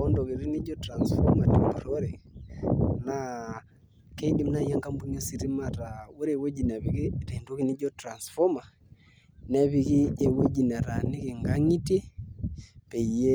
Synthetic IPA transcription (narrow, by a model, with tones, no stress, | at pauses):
ɔ˦ndɔ˨ɣi˨ɾi˦ni˦d͡ʒɔ˦tɾa˨nsfɔ˦ma˨ti˨mbɾɔɾɛ˨ | na | ke˦i˦di˦mna˦jaŋɡa˦mbu˦ɲɔ˦si˨ɾi˦maɾa˨u˦ɾe˨wo˦d͡ʒi˨na˨βiɣi˦ɾe˨ndo˦ɣi˦ni˦d͡ʒɔ˦tɾa˨nsfɔ˦ma˨ | nɛ˦βi˨ɣi˦ɛ˨wo˦d͡ʒi˨na˨ɾa˨ni˦ki˨ŋɡa˦ŋi˦ti˦ | pɛ˨ijɛ˦